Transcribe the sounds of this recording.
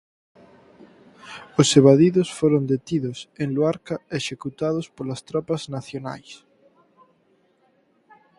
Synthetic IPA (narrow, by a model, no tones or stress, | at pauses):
oseβ̞aðiðosfoɾõnd̪et̪iðʊseŋloaɾkaeʃekut̪að̞ospolɐst̪ɾapɐznaθjona̰js